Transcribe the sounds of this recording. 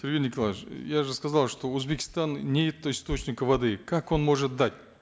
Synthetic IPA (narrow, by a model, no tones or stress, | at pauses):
t̪ʲʰeɾʲɡʲenʲɪkʰolˠajaʐɨskazɑlˠʂt̪o̞uzbekʲɪ̥st̪annʲejɪt̪ːəist̪o̞t͡ɕnʲɪkəvad̪ɨkʰako̞nmo̞ʐɨt̪̚d̪atʲ